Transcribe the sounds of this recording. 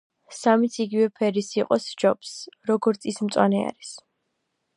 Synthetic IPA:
samit̪sʰiɡivɛpʰɛɾisiqʼɔsd͡ʒɔpsɾɔɡɔɾt̪sʰismt̪sʼwanɛa̰ɾis

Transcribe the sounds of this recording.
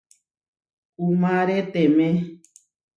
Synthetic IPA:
umãɾet̪emẽ

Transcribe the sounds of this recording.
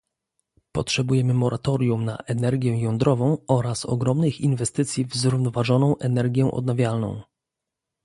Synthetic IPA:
pɔtʂɛbujɛmɘmɔɾʔat̪ɔɾʲjumna̰ʔɛnɛɾɡʲjɛjɔnd̪ɾɔvɔ̃w̃ɔɾasɔ̰ɡɾɔmnɘxinvɛst̪ɘt̪sʲjivzɾuvnɔvaʐɔnɔ̃w̃ʔɛnɛɾɡʲjɛ̃ʔɔ̰d̪̚navʲjalnɔ̰̃w̃

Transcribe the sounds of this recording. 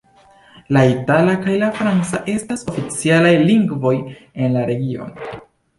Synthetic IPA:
laitalakajlafɾant͡saʔe̞staso̞fit͡sialajliŋɡvo̞je̞nlaɾe̞ɡio̞̰n

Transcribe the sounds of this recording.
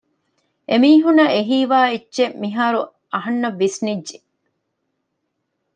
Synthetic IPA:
ʔemiːɦunɐʔeɦiːʋaːitːʃemiɦaːɾu | ɐɦɐnːɐʋːisnidːd͡ʒe

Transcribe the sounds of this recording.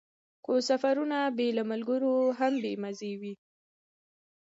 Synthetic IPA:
xosafaɾunabelamalɡəɾoɦambemazewi

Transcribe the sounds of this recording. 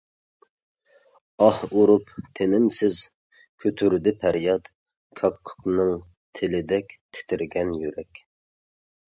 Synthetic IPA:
ɑhuɾupt̪ʰenɪmsɪz | kʲʰøt̪ʰyɾd̪ɪpʰæɾjɑt̪ | kʰɑkʰːʊ̥qnɨŋ | t̪ʰelɪd̪ɛkʲt̪ʰe̥t̪ʰɪɾɡʲɛnjyɾɛkʲ

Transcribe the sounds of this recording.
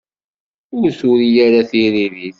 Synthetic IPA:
ʊɾsʊɾijaɾaθiɾiɾiθ

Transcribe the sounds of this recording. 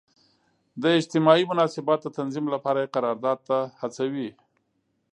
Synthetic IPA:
d̪əɪd͡ʒt̪ɪmɑimʊnɑsɪbɑt̪̚d̪ət̪anzimlapɑɾajeqaɾɑɾd̪ɑd̪̚t̪ahat͡sawi

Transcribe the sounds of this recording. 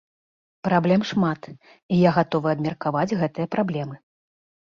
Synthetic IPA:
pɾablʲɛmʂmat̪ | ijaɣat̪ɔvɨɐbmʲɛrkavad͡zʲɣɛt̪ɨjɐpɾablʲɛmɨ

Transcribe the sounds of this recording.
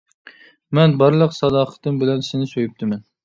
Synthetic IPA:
mɛnbɑɾlˠəqsɑd̪ɑqʰə̥t̪ɨmbɪlɛnsɪnɪsøjyp̚t̪ʰɪmɛn

